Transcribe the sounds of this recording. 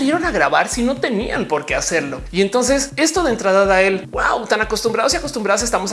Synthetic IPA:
jeɾo̞naɣɾaβaɾsino̞t̪e̞nḭa̰npo̞ɾke̞ase̞ɾlo̞ient̪o̞ns̬e̞se̞st̪oð̞ent̪ɾaðaðaelwa̰wt̪anako̞st̪ũmbɾaðosiako̞st̪umbɾaðos̬est̪amo̞s

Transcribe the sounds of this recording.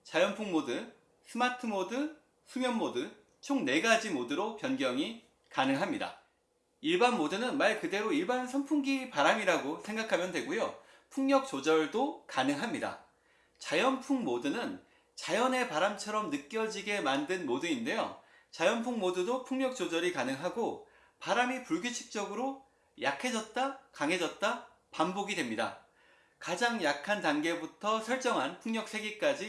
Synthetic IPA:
t͡ɕajʌnpʰuŋmodɯ | sʰɯmatʰɯmodɯ | sʰumjʌnmodɯ | t͡ɕʰoŋne̞ɡad͡ʑimodɯɾopjʌnɡjʌŋi | kanɯŋɦamɲida̰ | iɭbanmodɯnɯnmaɭkɯde̞ɾoiɭbansʰʌnpʰuŋɡipaɾamiɾaɡosʰe̞ŋɡakʰamjʌndwe̞ɡojo | pʰuŋɲjʌk̚t͡ɕ͈od͡ʑʌɭdokanɯŋɦamɲida̰ | t͡ɕajʌnpʰuŋmodɯnɯn | t͡ɕajʌne̞paɾamt͡ɕʰʌɾʌmnɯk͈̚jʌd͡ʑiɡe̞mandɯnmodɯinde̞jo̰ | t͡ɕajʌnpʰuŋmodɯdopʰuŋɲʌk̚t͡ɕ͈od͡ʑʌɾikanɯŋɦaɡo | paɾamipuɭɡjut͡ɕʰi̥k̚t͡ɕ͈ʌɡɯɾo | jakʰe̞d͡ʑʌt̚t͈akaŋɦe̞d͡ʑʌt̚t͈a | pamboɡidwe̞mɲida̰ | kad͡ʑaŋjakʰantaŋɡe̞butʰʌsʰʌɭt͡ɕ͈ʌŋɦanpʰuŋɲjʌk̚s͈ʰe̞ɡik͈ad͡ʑi

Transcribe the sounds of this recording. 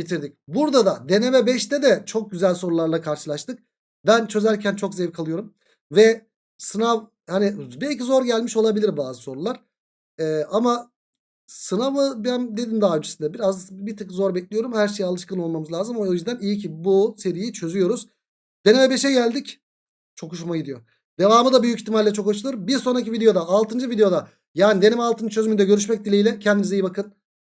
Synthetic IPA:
bit̪ʰiɾd̪ic̚buɾd̪ad̪ad̪e̞nevɛbɛʃt̪ʰɛd̪ɛt͡ʃʰo̞k̚ɟyzælʲso̞ɾulˠaɾlˠakʰaɾʃɯlˠaʃt̪ɯk̚ | bænt͡ʃʰø̞zæɾcʰænt͡ʃʰo̞kzɛvkʰalˠɯjo̞ɾum | vɛ | sɯnav | hanibɛlʲcizo̞ɾɟælʲmiʃo̞lˠabilʲiɾbaːzɯso̞ɾulˠaɾ̥ | ɛːʔama | sɯnavɯbænd̪e̞d̪ind̪aɦaønd͡ʒesind̪ɛbiɾazbit̪ʰakzo̞ɾbɛclʲijo̞ɾumhæɾʃe̞jialˠɯʃkɯno̞lˠmamɯzlʲˠaːzɯmoojyzd̪ænijicʰibuse̞ɾijit͡ʃʰø̞zyjo̞ɾuz̥ | d̪̥e̞nemɛbe̞ʃɛɟælʲd̪ic | t͡ʃʰo̞kuʃ̬maɟid̪ijo̞ | d̪e̞vaːmɯd̪abyjyciçt̪ʰimalʲlʲːɛt͡ʃʰo̞kaʃɯlˠɯɾmbiɾso̞nɾacivid̪eo̞d̪aːlˠt̪ɯnd͡ʒɯvid̪ejo̞d̪a | jaːnid̪e̞nemɛalˠt̪ʰɯnd͡ʒt͡ʃʰø̞zymynd̪ɛɟø̞ɾyʃ̬mɛc̚d̪ilʲejlʲɛcʰɛnd̪imizejibakʰɯn

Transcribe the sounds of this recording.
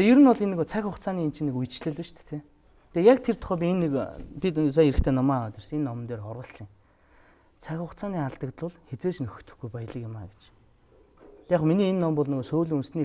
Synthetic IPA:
t̪ejɵɾɘ̆nɔɮenːɵ̆ɣoːt͡sʰæxʲʊχt͡sʰaːniːnt͡ɕʰɪ̆nekujt͡ɕɮɘ̆ɮiʃt̪ʰe̥t̪ʰe | t̪ʰejak̚t̪ʰert̪ʰʊ̥χœːp̬ʲienːekpʲit̪sajeɾɘ̆kt̪ʰeːnɔmaːɔt̪ʲɪ̆rs̆ŋenːɔm̆nt̪eːɾχɔrʁə̆ɮsə̆ŋ | t͡sʰæxʲʊχt͡sʰaːniːaɮt̪ə̆kt̪ɮʊ̆ɮxet͡seːt͡ɕnɵxɵ̆t̪ɵ̥̆xɡujpajə̆ɮə̆kɪ̆ma̰ːɡet͡ɕ | t̪ʲaːχminiːenːɔmpɔɮnɵɣoːsoːɮunsniː

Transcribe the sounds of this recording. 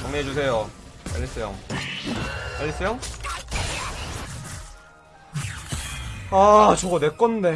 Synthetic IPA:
maŋɲeɦed͡ʑus̬ʰe̞jokaʎːis͈ejo̰ | kaʎːis͈ʰejo | at͡ɕoɡane̞k͈ʌnde

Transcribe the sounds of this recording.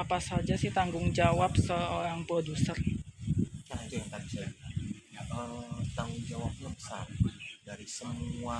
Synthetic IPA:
apasad͡ʒasɪht̪aŋɡʊŋd͡ʒawap̚səoɾaŋpodusər | t͡ʃanad͡ʒajaŋt̪adt͡ʃəɾajaʔət̪aŋɡʊŋd͡ʒawap̚ləpəsa̰rdaɾisəmua

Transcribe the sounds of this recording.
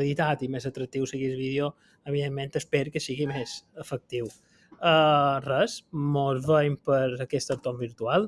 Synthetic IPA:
ðit̪at̪imezət̪ɾək̚t̪iwsiɣizβiðjo | əβiðemːẽnt̪əspeɾkəsiɣimezəfək̚t̪iw | ərəsmozβəjpəɾəkɛst̪əɾt̪ombiɾt̪ualˠ

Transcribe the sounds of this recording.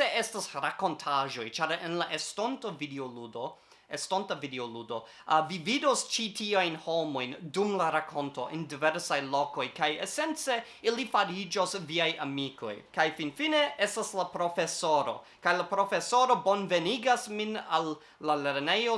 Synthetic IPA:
eestasɾako̞ntʰaʒo̞jt͡ʃaɾenlaʔestontovideoludo | estontavideoludo̞ | vividost͡ʃitiajnho̞mo̞jndumlaɾakʰo̞nto̞ʔendiveɾsajlo̞ko̞jkajese̞nt͡se̞ | ilifaɾid͡ʒo̞sviajamiko̞̰jkajfinfine̞estaslapɾo̞fe̞soɾo̞̰ | kajlapɾo̞fesoɾo̞bo̞nve̞niɡasminalː | ale̞ɾnejo

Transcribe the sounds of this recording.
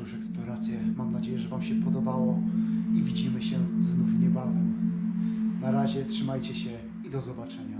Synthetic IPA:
uʂɛksplɔɾat̪sʲjɛmamnad͡ʑejɛʐɛvamɕɛpɔd̪ɔbawɔivʲid͡ʑimɘɕɛznufɲɛbavɛm | naɾaʑɛtʂɘmajt͡ɕɛɕɛ | id̪ɔzɔbat͡ʂɛɲa

